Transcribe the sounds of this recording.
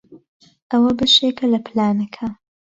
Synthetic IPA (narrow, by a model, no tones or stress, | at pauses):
ʔɐwɐbɐʃekʰɐlɐplaːnɐkʰɐ